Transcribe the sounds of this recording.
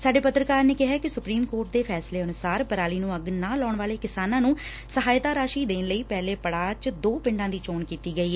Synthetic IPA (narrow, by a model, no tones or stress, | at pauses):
saːɖeːpət̪ɾəkaːɾneːkɪɦɛːkɪsʊpɾiːmkoːɾʈd̪eːpʰɛːsleːənʊsaːɾpəɾaːliːnũːəɡnãːlɔːɳʋaːleːkɪsaːnãːnũː | səɦaːjt̪aːɾaːʃiːd̪eːnləiːpɛːleːpəɽaːt͡ʃd̪oːpɪ̃ɳɖãːd̪iːt͡ʃoːnkiːt̪iːɡəiːɛː